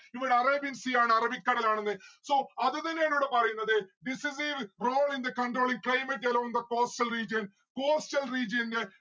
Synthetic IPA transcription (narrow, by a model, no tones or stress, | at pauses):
iʋɐɽeɐrebinsiaːɳɨɐrɐbikːɐɽɐlaːɳɐnːɨso̞ːɐðɨt̪ɐnːeːnuːɽepɐrɐjunːɐðɨɖisis̬iʋroːɭind̪ɐkɐɳɖroːɭiŋklɐjmeʈ̬ːɐlomnd̪ɐkoːstɐlriːd͡ʑɐn | koːsʈɐlriːd͡ʑɐnde